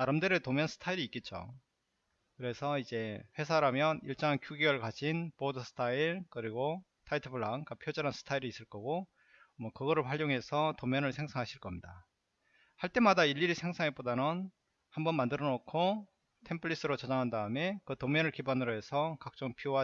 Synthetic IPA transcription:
naɾɯmdɯɾɯtomjʌnsʰɯ̥tʰaiɾiːk͈e̞t̚t͡ɕ͈o̰ | kɯɾe̞sʰʌid͡ʑe̞ɸwe̞s̬ʰaɾamjʌniɭt͡ɕ͈ʌnkjuɡewʌɭkad͡ʑʰinpodɯsʰɯ̥tʰaiɭkɯɾiɡo | tʰaitʰɯbʰɯɭːaŋk͈apʰjod͡ʑʌɾansʰɯ̥tʰaiɾiːs͈ɯɭk͈ʌɡo | mwʌkɯɡʌɾɯɭpʰwaʎjoŋɦe̞sʰʌtomjʌnɯɭsʰe̞ŋsʰaŋɦaɕʰiɭk͈ʌmɲida | haɭt͈e̞madaiʎːiɾisʰeŋsʰaŋe̞p͈odanɯn | hambʌnmandɯɾʌnokʰo | tʰe̞mpʰɯɭːis͈ɯɾot͡ɕʌd͡ʑaŋɦandaɯme̞kɯtomjʌnɯɭkibanɯɾoɦe̞sʰʌkak̚t͡ɕ͈ʌŋpʰioa

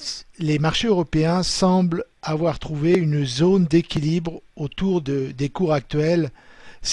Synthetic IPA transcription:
lemaʁʃeøʁɔpeɛ̃sɑ̃blavwaʁt̪χuveynzond̪ekʲilibʁot̪uʁd̪əd̪ekuʁak̚t̪ɥɛls

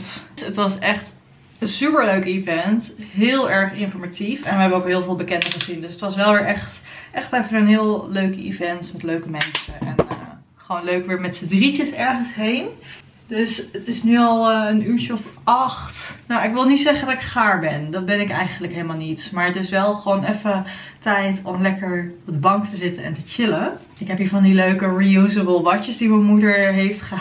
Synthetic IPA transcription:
tətʋɑsɛχt | ənsypəɹløɥkivɛntɦɪːlˠɛɹχɪnfɔɹmatifɛnʋəɦɛbəowkɦɪːlˠvɪːlˠbəkɛndəχəzindøsətʋɑsʋɛlˠʋɪːɹʔɛχt | ʔɛχtɛfənənɦɪːlˠløɥkḭvɛntmɛtløɥkəmɛnsəɛ̰n | χəʋownløɥkʋɪːɹmɛtsədritəsɛɹχənsɦejn | døsətɪsnyɑlˠənyːɹt͡ʃəɔfɑχtnowɪkʋɪlˠnitsɛχəndɑtɪkχaːɹbɛndɑt̚bɛnɪkɛjχənələkɦejləmaːlˠnitmaːɹətɪsʋɛlˠχəʋoːnɛfətɛjtɔmlɛkəɹɔb̚dəbɑŋktəzɪtənɛ̰ntət͡ʃɪlə | ɪkɦɛpivɑndiløɥkəɹijuzəbəlˠʋɑt͡ʃəsdimənmudəɹɦejftχə

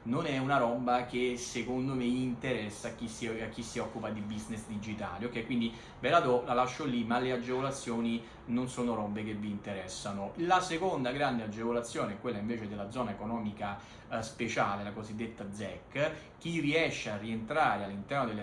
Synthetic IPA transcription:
nonɛunaɾɔbːakesekond̪omeint̪eɾɛsːakːisiakːisːiɔkːupad̪ibiznesd̪id͡ʒit̪a̰ːliokːɛkwind̪i | bɛlad̪ɔlalaʃːolimalead͡ʒːevolat̪sːjɔːni | nonsɔːnoɾɔbːekevːiːnt̪eɾɛsːanolasekond̪aɡɾand̪ead͡ʒːevolat̪sːjoːneɛkːwelːaiɱveːt͡ʃed̪elːad̪zɔːnaekonɔːmika | spet͡ʃaːlelakozid̪ːet̪ːad̪zɛkː | k̟ːirːiɛʃːearːient̪ɾaːɾealːint̪ɛrnod̪elː

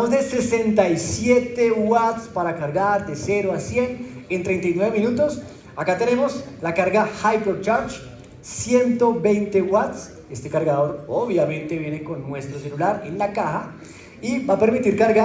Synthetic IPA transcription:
mozd̪ese̞se̞nt̪ajsje̞t̪e̞wat̪spaɾakaɾɡaɾd̪ese̞ɾoasje̞nent̪ɾe̞jnt̪ajnwe̞βemĩnut̪o̞s | akat̪e̞ne̞mo̞slakaɾɡahajkoɾt͡ʃaɾt͡ʃ | sje̞nt̪obejnt̪e̞wat̪s | e̞st̪e̞kaɾɣaðo̞ɾoβjamẽnt̪eβje̞ne̞ko̞nːwe̞st̪ɾoselulaɾḛnlakaha | ibape̞ɾmit̪iɾkaɾɣa

